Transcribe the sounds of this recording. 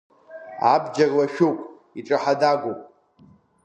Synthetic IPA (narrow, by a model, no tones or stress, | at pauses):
abd͡ʒarwaʃᶣowpʼ | iʈ͡ʂʼaħadaɡʷopʼ